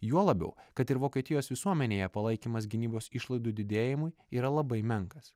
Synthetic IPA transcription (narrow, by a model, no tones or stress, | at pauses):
juɔlˠɐbʲɛ̰ʊkɐt̪ɪɾʋoːkʲiɛt̪ʲɪjoːsʋʲɪsuɔmʲɛnʲeːjɛpɐlˠɐɪkʲiːmɐs̬ɡʲɪnʲiːboːsɪʃlˠɐɪd̪uːd̪ʲɪd̪ʲeːjɪmʊɪ | iːɾɐlˠɐbɐɪmʲɛŋkɐs